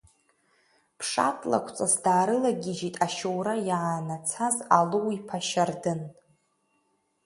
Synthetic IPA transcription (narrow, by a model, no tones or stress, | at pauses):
pʰʂa̰tʼla̰kʷʰt͡sʼasdaːɾɨlaɡʲɪd͡ʒitʼaʃowɾajaanat͡sʰazalɨwipʰaʃardɨn